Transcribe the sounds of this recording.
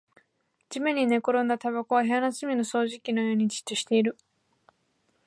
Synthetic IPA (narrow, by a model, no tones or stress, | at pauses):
d͡ʑimeɲ̟ine̞ko̞ɾõ̞nd̪at̪aβakoβaɦeanasɨmʲino̞so̞ːʑikʲino̞jo̞ːɲ̟it͡ɕi̥t̪ːoɕi̥t̪e̞iɾɯ̟